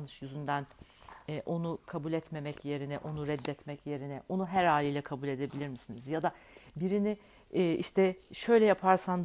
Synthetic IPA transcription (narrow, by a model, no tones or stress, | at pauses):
nɯʃjyzynd̪ænɛːʔo̞nukʰabulʲɛt̪me̞mɛcje̞ɾinɛʔo̞nuɾɛd̪ːɛt̪mɛcje̞ɾinɛʔo̞nuɦæɾhaːlʲijlʲɛkʰabulʲe̞d̪e̞bilʲiɾmisinizjad̪abiɾinɪː | iʃt̪ʰɛʃø̞jlʲɛjapʰaɾsan